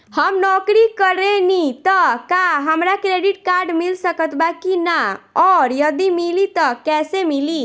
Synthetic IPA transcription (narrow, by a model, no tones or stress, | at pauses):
həmnɔkɾikəɾenit̪əkaɦəmɾakɾeɖiʈ̚kaɾɖmilsəkət̪bakinaɔɾjəd̪imilit̪əkɛsemili